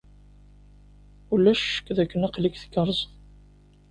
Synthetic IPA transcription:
ulːæʃʃə̥kːðækːənæqlikθə̥kːɑɾˤzˤ

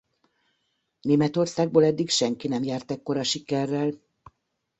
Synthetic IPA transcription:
neːmɛt̪o̞rsaːɡ̚boːlɛd̪ːikʃɛŋkinɛmjaːrt̪ɛkːo̞ɾɒʃikɛrːɛl

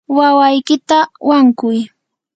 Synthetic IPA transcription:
wawajkɪt̪awaŋkʊj

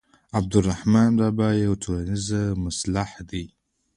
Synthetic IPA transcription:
ab̚d̪urːaħmaːnɾabajawtʰulanizamaslaħd̪i

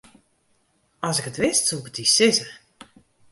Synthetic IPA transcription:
ɔsɪkətʋɪstsukətisɪzə

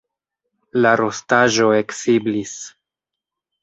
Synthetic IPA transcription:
laɾo̞staʒo̞e̞ksiblis

